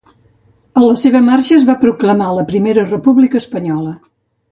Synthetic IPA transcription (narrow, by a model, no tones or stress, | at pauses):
ənləseβ̞əmarʃəːzβapɾukləmaləpɾimeɾərəpuβlikəːspəɲɔlə